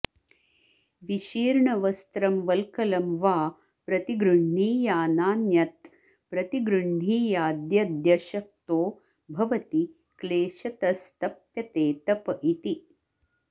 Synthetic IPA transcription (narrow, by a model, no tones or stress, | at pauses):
ʋiʃiːɾɳɐʋɐst̪ɾɐmʋɐlkɐlɐmʋaː | pɾɐt̪iɡɾuɳːiːjaːnaːnjɐt̪ | pɾɐt̪iɡɾuɳ̤iːjaːd̪jɐd̪jɐʃɐk̚t̪oː | bʱɐʋɐt̪i | kleːʃɐt̪ɐst̪ɐpjɐt̪eːt̪ɐpɐʔit̪i